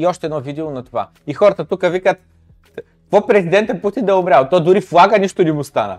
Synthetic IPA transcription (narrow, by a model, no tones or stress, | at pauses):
iɔʃt̪ɛd̪nɔvid̪ilˠonɐt̪ova̰ | ixɔɾət̪ət̪ukəvikət̪ | kvɔpɾɛzid̪ɛnt̪ɛput̪ind̪ɛʊmɾʲalˠt̪ɔjd̪ʊɾiflˠaɡəniʃt̪ʊnimust̪anə̰